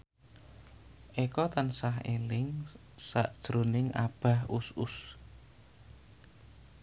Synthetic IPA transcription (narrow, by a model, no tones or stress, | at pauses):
ʔekɔt̪ansaɦelɪŋ | sa̰ʔd̥ʒ̥ɾonɪŋa̰b̥a̤husʊs